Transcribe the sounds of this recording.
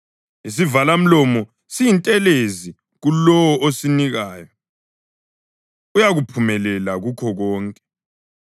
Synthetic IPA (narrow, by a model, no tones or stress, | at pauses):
is̬ivalam̩lɔmɔ | sijintʼɛlezi | ɣulɔwɔʔosiniɣaːjɔ | ujaɣupʰumɛlɛlaɣukʰɔɣɔːŋkʼɛ̥